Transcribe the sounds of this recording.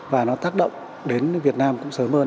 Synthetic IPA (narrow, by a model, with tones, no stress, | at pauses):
vaː˨˩nɔ˨˦t̪aː˦˥k̚ɗə̰˧˨wŋ͡m | ɗe˨˦nvi˨˩ət̚naː˧mkʊ̰˧˥ŋ͡msəː˨˦məː˧